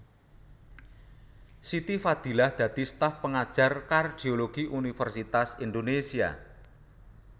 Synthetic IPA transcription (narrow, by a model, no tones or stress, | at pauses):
sit̪ifad̪̥i̤lahd̪̥ä̤d̪̥i̤st̪afpəŋad̥ʒ̥a̤rkard̪̥ioloɡ̥iʔunifərsit̪asind̪onesia̰